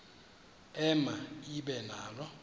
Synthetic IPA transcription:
ɛmaiɓɛnaːlɔ

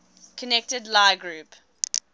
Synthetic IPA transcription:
kʰənɛk̚tədlaɪɡɹʉːp

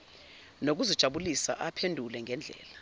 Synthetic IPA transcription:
nok̬uzid̥ʒ̥ʱaɓulisa̰ʔapʰendʱulɛŋʱɛnd͡ɮʱɛ̰ːla

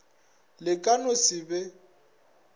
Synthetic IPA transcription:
lɪkʼanʊsɪbɛ

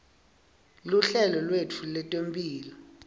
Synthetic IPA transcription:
luɬɛlɔlwetʰulɛtʼwempʼiːlɔ

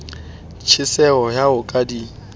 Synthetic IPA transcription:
t͡ʃʰɪsɛɔjaʊkʼadiːŋ̩

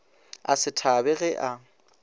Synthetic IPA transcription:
a̰sɪtʰabɛɣɛʔa

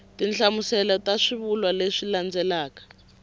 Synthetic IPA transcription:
tinɬamusɛlɔtaʂiβulwaleʂiland͡zɛlaːkḁ

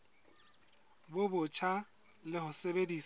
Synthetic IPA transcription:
bʊbʊt͡ʃʰa | lɪhʊsebediːs

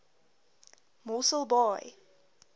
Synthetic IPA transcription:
mɔsəlˠbɔɪ

